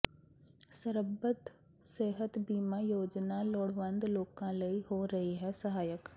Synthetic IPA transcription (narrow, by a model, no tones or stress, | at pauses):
səɾəbət̪ | seːɦət̪biːmaːjoːd͡ʒnaloːɽʋə̃nd̪loːkãləiɦoɾɐɦiɦɛsɐɦaːjək